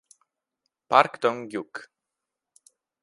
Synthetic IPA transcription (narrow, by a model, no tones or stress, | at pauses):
paɾkt̪ɔŋɡʲjuk